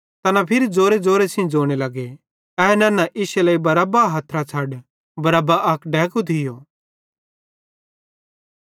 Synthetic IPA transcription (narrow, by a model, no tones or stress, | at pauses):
t̪ɐnapʰɪɾid͡zoːɾed͡zoːɾesʰɪ̃d͡zoːɽ̃elɐɡe | ɛnɐ̃ːnaʔɪʃelɐibɐɾɐbaɦɐt̪ʰɾat͡sʰaɖ | bɐɾabaʔɐkɖɛ̃ːkut̪ʰɪjoː